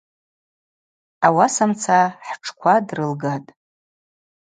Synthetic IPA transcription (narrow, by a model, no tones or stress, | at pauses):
awasamt͡sʰaħʈ͡ʂʰkʷʰadrɨlɡatʼ